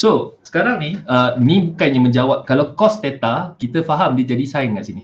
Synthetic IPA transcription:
sosə̥kaɾaŋniənĩbukanɲãmə̃ɲd͡ʒawap̚kalawkɔst̪ɛt̪akit̪əfaɦamdid͡ʒadisainəŋansini

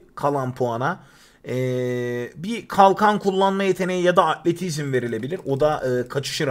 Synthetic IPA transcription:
kʰalˠanpʰuana | ɛːbikʰalˠkʰankʰulˠːanmajet̪ʰe̞nejijad̪aːt̪lʲe̞t̪ʰizmve̞ɾilʲe̞bilʲiɾo̞d̪aʔɯːkʰat͡ʃʰɯ̥ʃɯɾ

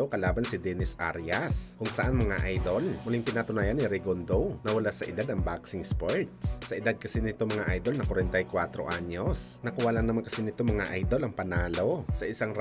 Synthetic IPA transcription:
okɐlaːbɐnsɪd̪ɛnɪsʔa̰ɾjɐskʊŋsɐʔanmɐŋa̰ʔajd̪olmʊlɪŋpɪnat̪ʊnaːjɐnɪɾɛɡond̪ownɐwɐlasɐʔɪd̪ad̪ɐŋbaksɪŋspoɹt̪ssɐʔɪd̪ad̪̚kɐsinɪt̪omɐŋaʔajd̪o̞lnɐkwɐɾɛnt̪ɐjkwat̪ɾo̞̰ʔaɲo̞snɐkʊwaːlaŋnɐmankɐsinɪt̪omɐŋaʔajd̪o̞lɐŋpɐnaːlosɐʔɪsaŋɾ

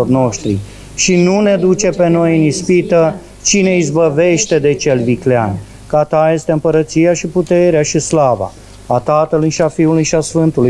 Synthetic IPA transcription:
orno̞ʃt̪ɾḭ | ʃinune̞d̪ut͡ʃe̞pe̞no̞jɨnispit̪ə | t͡ʃine̞izbəve̞ʃt̪e̞d̪e̞t͡ʃe̞lviklea̰n | kat̪aje̞st̪e̞ɨmpəɾət̪sijaʃiput̪e̞ɾeaʃislava̰ | at̪at̪əlujʃiafiulujʃiasfɨnt̪uluj

